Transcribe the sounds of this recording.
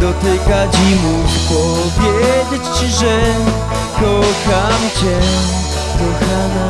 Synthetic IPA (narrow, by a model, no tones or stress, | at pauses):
d̪ɔt̪ɪkad͡ʑimupɔ | vʲjɛd͡ʑet͡ɕt͡ɕiʐɛ | kɔxamt͡ɕɛ | kɔxana